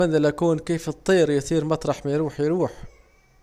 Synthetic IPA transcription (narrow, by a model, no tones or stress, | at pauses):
ænːælʔækuːnkiːfɨt̪ˤːiːɾjsiːɾmɑt̪ˤɾˤɑħmæjɾuːħjɾuːħ